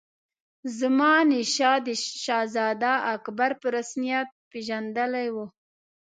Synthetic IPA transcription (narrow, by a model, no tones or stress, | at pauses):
zəmɑniʃɑd̪əʃɑzɑd̪aakbaɾpəɾasnijat̪̚peʒand̪əlajwu